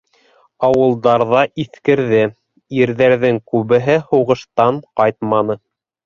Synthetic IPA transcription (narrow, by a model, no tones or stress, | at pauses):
ɑwɤ̆lˠd̪ɑɾðɑʔiθkɘ̆ɾðɘ | iɾðæɾðɘŋkʉβɘ̆ɦɘhuʁɤ̆ʃt̪ɑɴqɑjt̪mɑnɤ